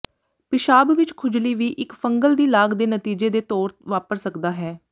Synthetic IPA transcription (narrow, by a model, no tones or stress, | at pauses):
pɪʃaːbʋɪt͡ʃkʰʊd͡ʒliːʋiːʔɪkfəŋɡəld̪iːlaːɡd̪eːnət̪iːd͡ʒeːd̪eːt̪ɔːɾʋaːpəɾsəkd̪aːɦɛː